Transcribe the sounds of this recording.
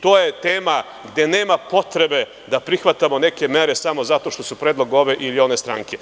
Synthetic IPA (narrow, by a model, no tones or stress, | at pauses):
t̪o̞ːjet̪eːma | ɡd̪e̞ne̞ːmapo̞t̪ɾe̞be̞ | d̪apɾixʋat̪amo̞ne̞ke̞me̞ɾe̞samo̞zat̪o̞ʃt̪o̞supɾeːd̪lˠo̞ɡo̞ʋe̞ʔilione̞st̪ɾa̰ŋke̞